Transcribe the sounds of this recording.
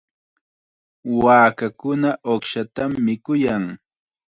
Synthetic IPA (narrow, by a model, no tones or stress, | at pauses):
waːkakʊnaʔoχʃat̪amːɪkʊjaŋ